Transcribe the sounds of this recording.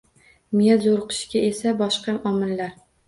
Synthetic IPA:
mɪjazoɾqʰɨ̥ʃkʲaesabɒʃqɑʔɒmɪlːaɾ

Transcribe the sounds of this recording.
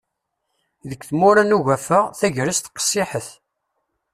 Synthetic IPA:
ðəkθmʊɾænuʝæfəʁθæʝɾist̪qə̥sˤːɪħəθ

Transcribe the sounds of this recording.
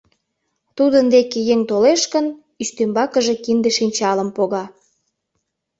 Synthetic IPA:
t̪ud̪ənd̪ekejeŋt̪oleʃkən | yʃt̪ømbɑkəʒe̽kind̪eʃinʲt͡ɕɑləmpoɣɑ

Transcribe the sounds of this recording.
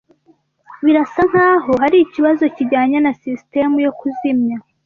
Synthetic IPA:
βiɾasaŋ̥haːɦo̞haɾiciβazo̞ciɟaːɲanasiste̞mujo̞kuzimɲa

